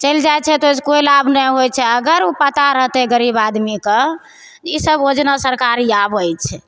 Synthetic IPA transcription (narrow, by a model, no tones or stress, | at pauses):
t͡ʃəjld͡ʒajt͡ʃʰɛt̪ooskojlabnɛɦojt͡ʃʰɛəɡəɾupət̪aɾəɦt̪ɛɡəɾibad̪mike | d͡ʒisəbod͡ʒnasəɾkaɾjabəjt͡ʃʰɛ